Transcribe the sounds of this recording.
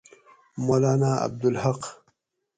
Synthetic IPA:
molaːnaa̰b̚d̪ʊlhaq

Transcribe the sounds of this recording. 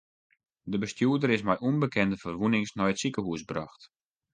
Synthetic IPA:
dəbəstjuədəɾɪsmɛjʔuənbəkɛndəfərʋunɪŋsnɔjətsikəhuəsbrɔxt

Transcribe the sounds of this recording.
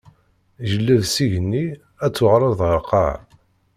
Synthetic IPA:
ʒəlːæðsiʝənːi | æt͡sːʊʁɾˤɑðˤʁəqːɑ̰ʕ

